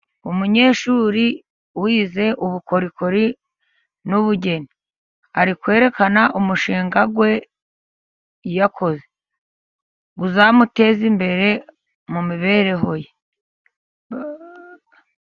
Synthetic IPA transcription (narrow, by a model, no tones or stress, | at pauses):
umuɲe̞ːʃuːɾi | wiːze̞ʔuβuko̞ɾiko̞ɾi | nuβuɟe̞ni | aɾikwe̞ːɾe̞kanaʔumuʃiːŋɡaɡwe̞ | jakʰo̞ze | ɡuzamute̞zimbe̞ɾe̞ | mumiβe̞ɾe̞ɦo̞je